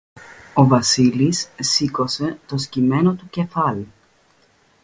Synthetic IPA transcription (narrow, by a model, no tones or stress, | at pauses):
o̞vɐsilisːiko̞se̞t̪o̞scime̞no̞t̪uce̞fɐli